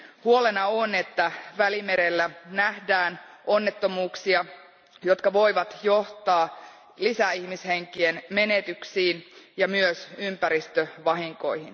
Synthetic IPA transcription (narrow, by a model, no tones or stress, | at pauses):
huolenɑone̞t̪ːæʋælime̞ɾelːænæhdæːno̞nːe̞t̪ːomuːksiɑ | jo̞t̪kɑʋo̞iʋɑt̪jo̞ht̪ɑː | lisæihmisheŋkienme̞net̪yksiːnjɑmyøsympæɾist̪øʋɑɦiŋko̞̰ihin